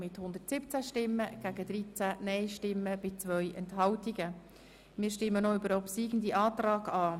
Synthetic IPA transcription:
mɪthʊnd̪ətsɪp̚t͡sæʃtɪmːəɡ̥æɡ̥əd̪ɾit͡sænɛɪʃtɪmːəb̥ɪt͡sʋœʏʔɛnthɑwtiɡə | mɪːɾʃtɪmːənoybəɾɔpsiːɡən̩d̪iʔɑːt̪rɑːɡ̥ɑː

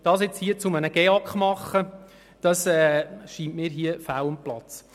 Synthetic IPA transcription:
d̥ɑːsɪt͡shiət͡sʊmənəɡ̥ɛɑkχmɑχːə | d̥ɑsɛːʃiːntmiːɾɦiəfawʊmplɑt͡s

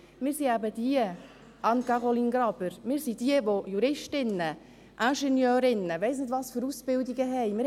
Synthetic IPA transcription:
mɪːɾsiæbəd̥iə | ʔɑnkɑʁoliːnɡɾɑbəɾmɪːɾsid̥iəʋojuɾɪʃtɪnə | ʔæʃɛnjœːɾɪnəʋɛɪsnɪdʋɑːsføɾusb̥ɪldiɡəɦɛɪmɪɾ

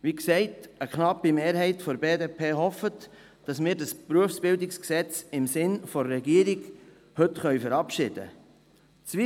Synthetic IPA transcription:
ʋiksɛɪtəkχnɑpːimeːɾhɛɪtfɔɾbeːdepʰeːɦɔfət | d̥ɑsmɪːɾdɑspɾuəfsb̥ɪldɪksksɛt͡sɪmsɪnfɔɾːɛɡiəɾiɡ | hɵtχœʏɥfəɾɑpʃɪd̥ə̰ | t͡sʋi

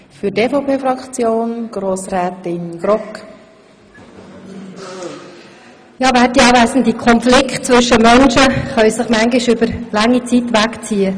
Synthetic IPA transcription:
fyteːfɔpeːfɾɑkt͡sjoːnɡ̥ɾoːsɾɛːtɪnɡ̥ɾɔk | jɑːvæːtiɑːvæsən̩d̪ikʰχɔnflɪkχt̚t͡sʋʏʃəmœnʃəχœʏsəχmæŋɡɪʃʏbəɾlɑŋːit͡sit̪ʋækt͡siːə

